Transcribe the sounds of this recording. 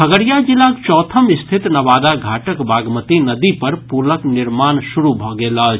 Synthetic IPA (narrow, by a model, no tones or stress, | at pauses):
əɡəɽijad͡ʒilakt͡ʃɔːt̪ʰəmɪst̪ʰit̪nɐʋaːd̪aɡʱaːʈəkbaːɡmət̪inəd̪ipəɾpuləknɪɾmaːnsuɾubʱɔɡeːla